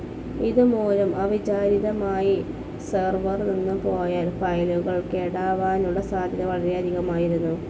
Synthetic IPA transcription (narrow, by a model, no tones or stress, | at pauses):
iðumoːlɐmʔɐʋid͡ʑaːɾiðɐmaːji | serʋɐrninːɨpoːjaːlfɐjloɣɐɭkeɽaːʋaːnuɽesaːd̪ʱjɐðɐʋɐɭɐɾeɐd̪ʱiɣɐmaːjiɾunːu